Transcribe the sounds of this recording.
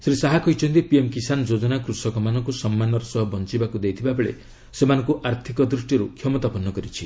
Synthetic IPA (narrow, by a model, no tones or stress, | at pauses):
sɾisaɦakɔɦjt͡ʃʰɔnt̪ipiemkisanɔd͡ʒod͡ʒɔnakɾusɔkɔmanɔŋkusɔmːanɔɾɔsɔɦɔbɔnt͡ʃibakud̪ejt̪ʰibabeɭḛ | semanɔ̃ŋkuʔaɾt̪ʰikɔd̪ɾusʈiɾukʰjɔmɔt̪apɔnːɔkɔɾit͡ʃʰi